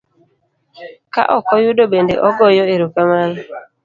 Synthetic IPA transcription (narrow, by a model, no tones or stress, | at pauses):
ka̰ʔɔkɔjudobendḛʔɔɡɔjɔeɾokamal